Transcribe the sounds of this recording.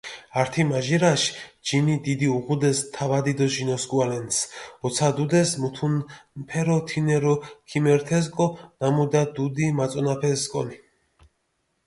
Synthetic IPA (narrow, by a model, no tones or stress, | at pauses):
aɾt̪ʰimaʒiɾaʃd͡ʒinid̪id̪iuʁud̪ɛst̪ʰavad̪id̪ɔʒinɔsɡualɛnsɔt̪sʰad̪ud̪ɛsmut̪ʰunpʰɛɾɔt̪ʰinɛɾɔkʰimɛɾt̪ʰɛzkʼɔnamud̪ad̪ud̪imat̪sʼɔnapʰɛzkʼɔ̰ni